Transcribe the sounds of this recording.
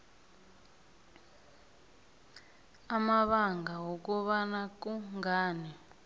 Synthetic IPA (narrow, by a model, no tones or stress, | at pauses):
amaβaŋɡʱaɦok̬uβanak̬uŋaːni